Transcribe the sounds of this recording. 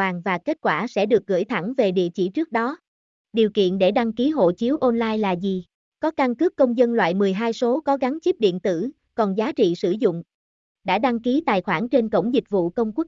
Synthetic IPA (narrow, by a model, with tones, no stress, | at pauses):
aː˨˩ŋvaː˨˩ke˦˥t̚kwaː˧˩sɛ̰˧˥ɗɨ˨˩ək̚ɣɨ̰˧˩jt̪ʰa˧˩ŋve˨˩ɗḭ˧˨ət͡ɕḭ˧˩t͡ɕɨ˦˥ək̚ɗɔ˨˦ | ɗi˨˩əwkḭ˧˨ənɗe˧˩ɗa˧ŋki˨˦ɦo̰˧˨t͡ɕi˨˦əwʔɔ˧nlaː˧jlaː˨˩zi˨˩ | kɔ˨˦ka˧ŋkɨ˦˥kːə˧wŋ͡mzə˧nlwa̰ː˧˨jmɨ˨˩əjɦaː˧jso˨˦kɔ˨˦ɣa˨˦ŋt͡ɕi˦˥p̚ɗḭ˧˨ənt̪ɨ̰˧˩ | kɔ˨˩nzaː˨˦t͡ɕḭ˧˨sɨ˧˩zʊ̰˧˨ŋ͡m | ɗa̰ː˧˥ɗa˧ŋki˨˦t̪aː˨˩jxwaː˧˩nt͡ɕe˧nkə̰˧˩wŋ͡mzï˨˩k̚vṵ˧˨kə˧wŋ͡mkwʊ˦˥k̚